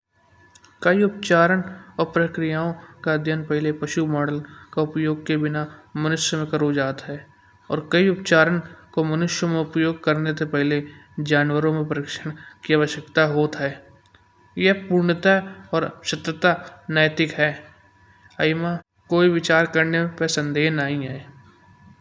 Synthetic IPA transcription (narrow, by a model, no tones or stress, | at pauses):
kɐiʊp̚t͡ʃaːɾənɔːɾpɾɐkɾɪjaːõkaəd̪ʱjənpɛɦlepɐʃumɔːɽəlkaʊpjoːɡ̚kebɪnamɐnʊʃjəmẽkɐɾoːd͡ʒaːt̪ɦɛː | ɔ̰ːɾkɐiʊpt͡ʃaːɾənkomənʊʃjəmẽʊpjoːɡ̚kɐɾnet̪epɛɦled͡ʒaːnwəɾõmẽpəɾɪːkʃəɽ̃kiaʋəʃjəkt̪aɦoːt̪ɦɛː | jepuːɾɳət̪aɔːɾʃɐt̪ɾət̪anəːjt̪ɪkɦɛː | əɪma | koːiʋɪt͡ʃaːɾkəɾnemẽpəsə̃nd̪eːɦnaːɦĩɦɛː